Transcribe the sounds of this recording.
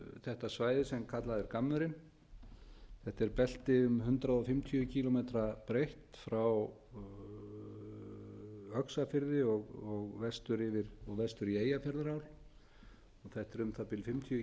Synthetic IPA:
θɛht̪asvaːjðɪsɛmkʰat̪laðɪɾkamːʏɾɪn | θɛht̪ɛɾpɛl̥t̪ɪʏmɦʏnt̪ɾaðɔfɪmt̪ʰjʏʏcʰilɔmet̪ɾapɾejht̪fɾaw | œksafɪɾðɪɔɣɔɣvɛst̪ʏɾɪvɪɾɔɣvɛst̪ʏɾieːjafɛɾðɾaːwl | ɔɣθɛht̪ɛɾʏmθapɪlfɪmt̪ʰj

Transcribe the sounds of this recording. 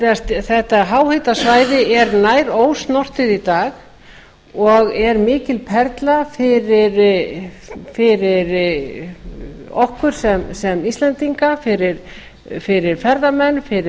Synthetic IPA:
st̪θɛht̪aɦawhejt̪asvaːjðɪɛɾnaːjɾoːwst̪nɔr̥t̪ɪðit̪aːɣ | ɔɣɛɾmɪːcɪlpʰɛɾt̪lafɪɾɪɾ | fɪɾɪɾ | ɔhkʏɾ̥sɛmsɛmist̪lɛnt̪iŋkafɪɾɪɾ̥ | fɪɾɪɾ̥fɛɾðamɛnːfɪɾɪ

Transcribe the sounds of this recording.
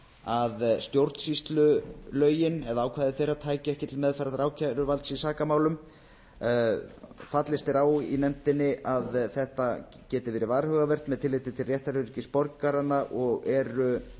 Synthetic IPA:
aðst̪jowɾt̪sist̪lʏlœːɥjɪnɛðaaːwkʰvaːðɪθejɾat̪ʰaːjcɪɛhcɪt̪ɪlmɛðfajɾat̪ɾaːwcʰaɾʏvalt̪sisaːkamaːwlʏm | fat̪lɪst̪ɛɾaːwḭnɛmt̪ɪnːɪʔaðθɛht̪a | cɛːt̪ɪvɛːɾɪvaːɾhœɣavɛr̥t̪mɛðt̪ʰɪlːɪjt̪ɪt̪ʰɪlrjɛht̪aɾʏɾcɪspɔɾkaɾanːaʔɔɣɛɾʏ

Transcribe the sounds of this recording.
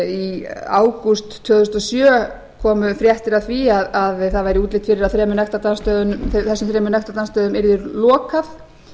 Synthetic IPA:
ia̰ːwkust̪ʰːœːɣðʏst̪ɔsjœː | kʰɔːmʏfɾjɛht̪ɪɾaðθviaðaðθaðvajɾɪuːt̪lɪht̪fɪɾɪɾaðθɾɛːmʏnɛht̪at̪anst̪œːðʏnθθɛsːʏmθɾɛːmʏnɛht̪at̪anst̪œːðʏmɛɾðʏɾlɔːkaθ

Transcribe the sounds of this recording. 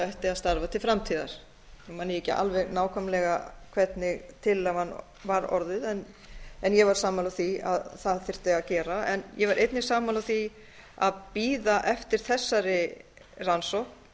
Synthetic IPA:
ɛht̪ɪaðst̪aɾvat̪ʰɪlfɾamt̪ʰiːða̰ɾ̥ | manːɪcɪ̰ʔa̰lvɛɣnaːwkʰɔmlɛɣakʰv̥ɛt̪nɪɣt̪ʰɪlahanː | vaɾɔ̰ɾðʏðɛn | ɛnjɛvaɾ̥saːmaːlaθia̰ðθaðθɪr̥t̪ɪaðcɛːɾaɛnjɛvaɾʔejt̪nɪ̥saːmaːlaθi | a̰ðpiːðaʔɛft̪ɪɾ̥θɛsːaɾɪ | ransɔhkp

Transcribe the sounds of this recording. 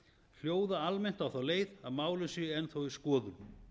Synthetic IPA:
l̥joːwðaalmen̥t̪awθawleːjðaðmaːwlɪnsʏɛnθowɪskɔːðʏm

